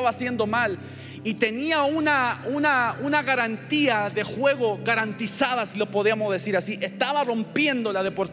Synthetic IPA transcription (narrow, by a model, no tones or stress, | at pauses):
βasje̞nd̪o̞mal | it̪e̞niaunaunaunaɣaɾant̪iaðe̞xwe̞ɣo̞ɣaɾant̪isaðasilopo̞ðiamo̞zðe̞siɾasiʔe̞st̪aβaro̞mpje̞nd̪o̞lað̞e̞po̞ɾt̪